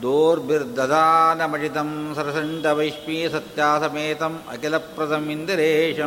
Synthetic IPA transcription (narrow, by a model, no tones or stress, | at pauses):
d̪oːɾbiɾd̪ɐd̪aːnɐmɐt͡ʃit̪ɐmsɐɾɐsɐɳʈɐʋɐjʂpiːsɐt̪jaːsɐmeːt̪ɐmɐ̰kilɐpɾɐd̪ɐmind̪iɾeːʂɐ